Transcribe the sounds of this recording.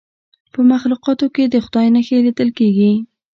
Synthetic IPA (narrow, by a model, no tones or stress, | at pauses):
pəmaxluqɑt̪oked̪əxʊd̪ɑjnəxelid̪əlkeɡi